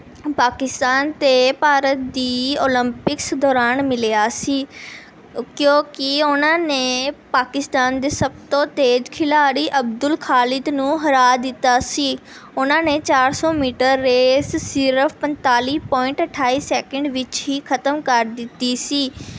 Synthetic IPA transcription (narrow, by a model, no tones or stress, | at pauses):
paːkɪst̪aːnt̪eːpaːɾət̪̚d̪iːoːləmpɪksd̪ɔːɾaːnmɪlejaːsiː | kjõːkɪʊnãːneːpaːkɪst̪aːnd̪eːsəbt̪õːt̪eːd͡ʒkʰɪlaːɽiːʔəbd̪ʊlkʰaːlɪd̪nũːɦəɾaːd̪ɪt̪ːaːsiː | ʊnãːneːt͡ʃaːɾsɔːmiːʈəɾːeːssɪɾəfʰpənt̪aːliːpɔːɪ̃ɳʈəʈʰːaːiːsɛːkəɳɖʋɪt͡ʃɦiːkʰət̪əmkəɾd̪ɪt̪ːiːsiː